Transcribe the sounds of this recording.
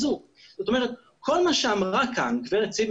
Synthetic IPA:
zu | z̥ot̪omɛʁɛt̪ | kʰolmaʃeamʁakʰankveʁet͡sim

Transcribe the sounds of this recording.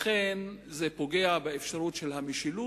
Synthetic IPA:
χenzepo̞ɡe̞abeefʃaʁutʃelɦamiʃilu

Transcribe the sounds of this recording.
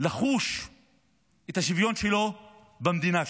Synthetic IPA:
laχuʃ | et̪aʃivjo̞nʃelo̞ | bamd̪ina

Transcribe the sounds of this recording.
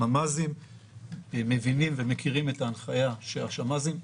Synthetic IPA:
amazim | me̞vinimvemekʰiʁime̞taːnχajaʃeaʃamazim

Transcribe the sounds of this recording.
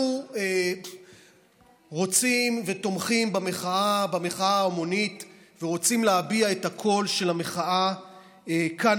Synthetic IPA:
ue | ʁo̞t͡simve̞to̞mχimbame̞χaabame̞χaaomo̞nitveʁo̞t͡simleabiaethakʰo̞lʃe̞lameχaʔa | eka

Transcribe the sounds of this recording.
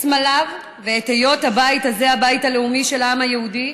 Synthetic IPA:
smalav | veːthejo̞thabaitaze̞habaithale̞umiʃelaamhajehudi

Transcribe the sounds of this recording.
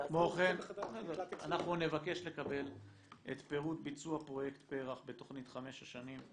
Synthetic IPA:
kmoχenodanaχnune̞vake̞ʃle̞kabe̞l | ʔet̪pe̞ʁut̪bit͡suapʁo̞jekt̪pe̞ʁaχbe̞t̪o̞χnit̪χame̞ʃaʃanim

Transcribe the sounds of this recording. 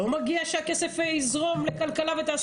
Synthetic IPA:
umaɡiaʃeakesefeizʁo̞mlekalkalavet̪aːs

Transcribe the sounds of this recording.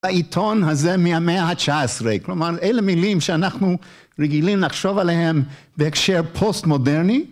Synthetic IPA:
aitʰonɦazemiameaɦat͡ʃaesʁeklomaɾejlemilimʃeanaχnu | ʁeɡilimlaχʃovalehem | beekʃeɾpʰostmodeɾni

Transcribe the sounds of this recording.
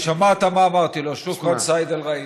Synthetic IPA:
ʃamat̪amaːmaʁt̪iloʃukʁasajd̪alʁai

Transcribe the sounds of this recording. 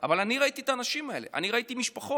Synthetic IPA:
avalaniʁait̪it̪aːnaʃimae̞le̞̰ʔa̰niʁait̪imiʃpaχo

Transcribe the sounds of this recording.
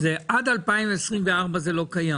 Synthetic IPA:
zɛʔadalpaɪmvɛsʁĩmveaʁbɐzɛlokaja

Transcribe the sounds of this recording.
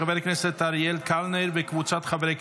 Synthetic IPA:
abeɾknɛset̪ːaɾjelkʰalnejɾbekvut͡sat̪χabeɾek

